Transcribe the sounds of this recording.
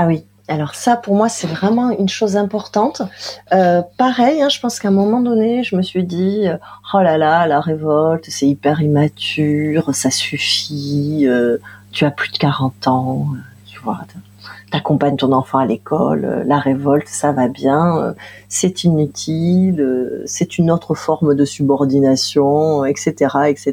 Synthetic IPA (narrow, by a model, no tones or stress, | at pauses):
awi | alɔʁsapuʁmwasɛvʁɛmɑ̃ynʃozɛ̃pɔʁt̪ɑ̃t̪øpaʁɛjɛ̃ʒəpɑ̃skɛ̃ɛ̃mɔmɑ̃d̪ɔneʒəməsɥid̪iøɔlalalaʁevɔlt̪sɛipɛʁimat̪yʁsasyfiøt̪yaplyd̪əkaʁɑ̃t̪ɑ̃øt̪yvwa̰ | t̪yakɔ̃paɲt̪ɔ̃nɑ̃fɑ̃alekʰɔ̰lø̰ːaʁevɔlt̪savabjɛ̃ø̰sɛt̪ʰinyt̪ʰiløsɛt̪ynot̪χəfɔʁmd̪əsybɔʁd̪inasjɔ̃ɛkset̪eʁaɛkse